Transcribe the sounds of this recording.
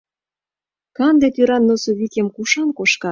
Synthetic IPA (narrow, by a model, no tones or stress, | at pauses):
kɑnd̪et̪yɾɑnːosoβikʲemkuʃɑnkoʃkɑ